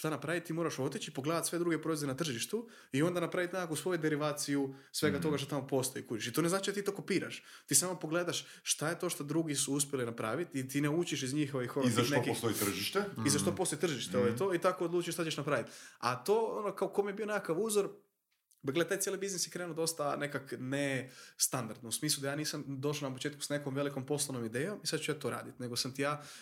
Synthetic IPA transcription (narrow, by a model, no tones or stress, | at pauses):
ʃt̪anapɾaʋit̪̚t̪iːmoɾaʃo̞t̪it͡ɕipo̞ɡled̪at̪sʋe̞d̪ɾuɡepɾoʋezenat̪r̩ʒiʃt̪u | io̞nd̪anapɾaʋit̪nekakousʋo̞jud̪eɾiʋaːt̪sijusʋe̞ɡat̪o̞ɡaʃt̪ot̪amopo̞st̪o̞jikut͡ʃiʃit̪oneznaːt͡ʃid̪at̪iːt̪okopiːɾa̰ʃ | t̪iːsaːmopo̞ɡleːd̪aʃ | ʃt̪ajet̪o̞ʃt̪od̪ɾuɡisuuspʲjelinapɾa̰ːʋit̪it̪ineut͡ɕiʃizɲiːxoʋixoɾizaʃtneokist̪ojit̪r̩ʒiʃt̪eizaʃt̪opost̪ojt̪r̩ʒiʃt̪eoʋojet̪o̞it̪akood̪luːt͡ʃueʃt̪at͡ɕeʃnapɾaːʋit̪a̰t̪oːonokaokomijebio̞nekakaʋuːzoɾ | baɡlet̪ajt̪jelibiznisjekɾenud̪o̞st̪ane̞kaknest̪and̪aɾd̪nousmiːslˠud̪ajaːniːsamd̪o̞ʃ̬lanap̬ot͡ʃeːt̪ku̥snekomʋe̞likompo̞slˠono̞mid̪eːjo̞misad̪t͡ʃujat̪oːɾa̰ːd̪it̪ne̞ɡosamt̪ijaː